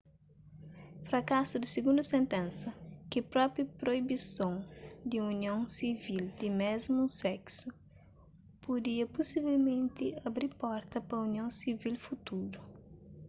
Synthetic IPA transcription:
fɾɐkasʊd̪ɪsɪɡũnd̪ʊsẽnt̪ẽnsɐkɪpɾɔpɾupɾoibisõŋd̪ɪuniõsivild̪ɪmɛzmusɛksu | pud̪iɐpusivelmẽnt̪ɪɐbɾiɾpɔɾt̪ɐpɐuniõw̃sivilfut̪uɾʊ

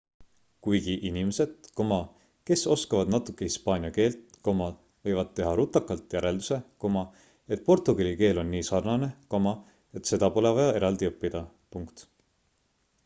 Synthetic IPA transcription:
kujɡ̥iʔinimese̞d̪̥̚ko̞mɑ | ke̞so̞skɑvɑd̪nɑt̪ːˑukːˑehispɑːnʲiɑke̞ːlt̪ | ko̞mɑd | vɤ̞jvɑd̪̥̚t̪ːe̞ɦɑɾut̪ːˑɑkːˑɑlt̪ˑjæɾe̞ld̪use̞ko̞mɑ | e̞t̪̚ːˑpo̞rt̪ˑuɡ̥ɑlʲike̞ːlo̞nːiːsɑrnɑne̞ko̞mɑ | e̞t̪se̞d̪̥ɑpo̞levɑjɑe̞ɾʔɑld̪iɤpːid̪̥ɑ | puŋkt̪

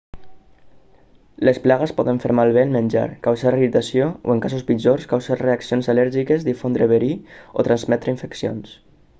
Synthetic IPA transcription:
lesplaɣəspɔðəɱfeɾmalˠβ̞eːnmənʲd͡ʒa̰ɾkawsaɾβit̪asijoo̰eŋkasuspid͡ʒoskawsaɾreaksionzalɛɾʒikezd̪ifond̪ɾəβeɾio̰t̪ɾanzmɛt̪ɾəiɱfəksijo̰ns

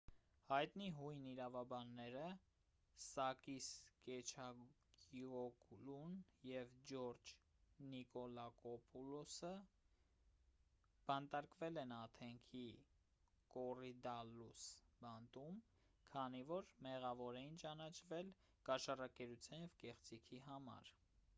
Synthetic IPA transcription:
hɑjt̪niɦujniɾɑvɑbɑnːɛɾə | sɑkiskɛt͡ʃʰɑ | ɡiɔkulunjɛvd͡ʒɔɾd͡ʒnikɔlɑkɔpʰulɔsə | b̥ɑnt̪ɑɾkvɛlɛnɑt̪ʰɛŋkʰi | kɔrid̪ɑlusbɑnt̪um | kʰɑnivɔɾmɛʁɑvɔɾɛjint͡ʃɑnɑt͡ʃʰvɛl | kɑʃɑrɑkɛɾut͡sʰjɑnjɛvkɛχt͡sikʰiɦɑmɑ̰ɾ

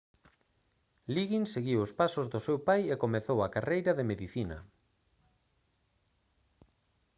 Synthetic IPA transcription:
liɣinseɣiwʊspasʊzðʊsewpajekomeθowɐkarejɾɐðemeðiθinɐ̰

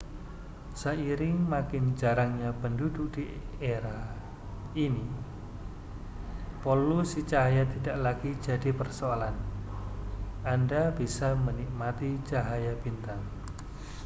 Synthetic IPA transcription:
saiɾɪŋmakɪnd͡ʒaɾaŋɲapəndudʊk̚d̥i | eɾah | ini | pɔlusit͡ʃaɦajat̪idaʔlaɡ̥id͡ʒa̤dipərsoalan | andabisamənik̚mat̪it͡ʃaɦajab̥int̪aŋ

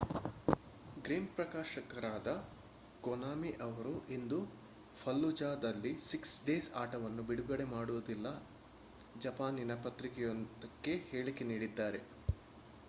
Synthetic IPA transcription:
ɡɾiːmpɾɐkaːʃɐkɐɾaːd̪ɐ | ɡɔnaːmiʔɐʋɐɾuʔind̪u | fʰɐlːud͡ʒaːd̪ɐlːisiksɖeːsaːʈɐʋɐnːubiɽuɡɐɽe̞maːɽuʋɐd̪ilːɐ | d͡ʒɐpaːninɐpɐt̪ɾikɛjond̪ɐkːe̞he̞ːɭikeniːɽid̪ːaːɾe̞

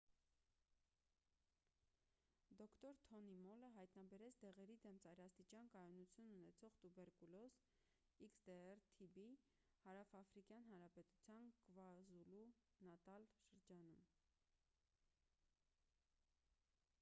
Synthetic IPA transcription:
d̪ɔkʰt̪ɔɾt̪ʰɔnimɔləɦɑjt̪nɑbɛɾɛt͡sʰd̪ɛʁɛɾid̪ɛmt͡sɑjɾɑst̪it͡ʃɑnkɑjɔnut͡sʰjununɛt͡sʰɔʁt̪ubɛɾkulɔs | iksd̪ɛɛɾt̪ʰibi | hɑɾɑfɑfɾikjɑnɦɑnɾɑpɛt̪u̥t͡sʰjɑnkvɑzulu | nɑt̪ɑlʃəɾd͡ʒɑnum

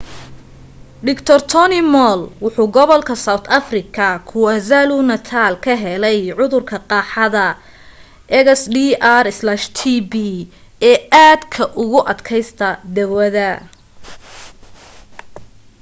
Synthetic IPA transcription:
ɖɪkt̪ʰɔrt̪ʰɔnimɔlwʊħuːɡɔβɔlkʰɐsawt̪ʰɐfrɪkʰɐkʰʊwɐzalunɐt̪ʰaːlkʰɐɦɛlɛjʕʊðʊrkʰɐqɑːħɑðɐ | ʔɛɣsɖiːʔarɪslaʃt̪ʰibi | ɛːaːd̪kʰɐʔʊɣʊʔɐd̪kʰɛjst̪ʰɐd̪ɐwɐðɐ

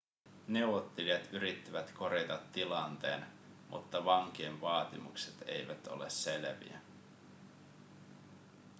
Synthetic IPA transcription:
ne̞wʋot̪ːeliɑt̪yɾit̪ːiʋæt̪kʰo̞ɾet̪ɑt̪ːilɑnt̪e̞̰ːn | mʔṵt̪ːɑʋɑŋk̟iːnʋɑːt̪imukse̥t̪e̞̰jʋæt̪o̞̰lesːe̞lʋḭæ̰

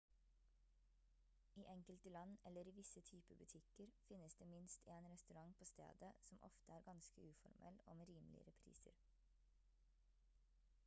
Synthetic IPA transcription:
iːʔɛŋkəlt̪əlɑnɛləɾiːʋɪsət̪ʰyːpəbʉt̪ʰɪkəɾfɪnəsd̪eːmɪnst̪ʰeːnɾɛst̪ʉɾɑŋpʰoːst̪ḛːd̪əsɔmʔɔ̰ft̪əæːɾɡɑnskəʉːfɔ̰ɾmʔɛ̰lo̰ːmeːɾiːmlɪ̰ə̰ɾɛpʰɾḭːsə̰ɾ

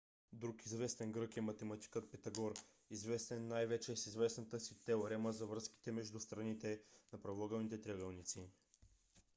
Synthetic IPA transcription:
d̪ɾukizvɛst̪ɛnɡɾɤkɛmɐt̪ɛmɐt̪i̥kət̪̚pɛt̪ɐɡɔɾ | izvɛst̪ɛnːajvɛt͡ʃɛsizvɛsnət̪əsit̪ɛoɾɛməzɐvɾɤski̥t̪ɛmɛʒd̪ust̪ɾɐnit̪ɛnɐpɾɐvɔɡɐlˠnit̪ɛt̪ɾʲɛɡɛlˠnit̪si

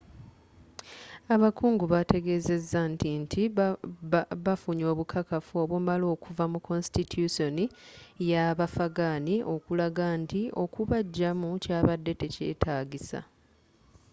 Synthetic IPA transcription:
aβakuːŋɡuβate̞ɡe̞ːze̞zːantintʰi | βafuɲo̞ːβukʰakafuo̞ːβwomalo̞ːkʰuvamuko̞nstitʰuso̞nijaβafaɡaniʔo̞kulaɡantio̞kuβaɟːamucaːβadːe̞te̞ce̞̰ːtʰaːɡisa̰

